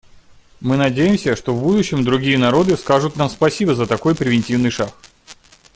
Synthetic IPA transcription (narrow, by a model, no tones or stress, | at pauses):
mɨnɐdʲejɪmsʲəʂt̪ovbud̪ʊɕːɪmd̪ɾʊɡʲijənɐɾo̞d̪ɨskaʐʊt̪namspɐsʲibəzət̪ɐko̞jpɾʲɪvʲɪnʲtʲivnɨjʂax